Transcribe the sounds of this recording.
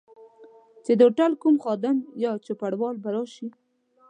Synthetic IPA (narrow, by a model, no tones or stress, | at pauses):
t͡ʃed̪əoʈalkumxɑd̪amjɑt͡ʃʊpaɽwɑlbaɾɑʃi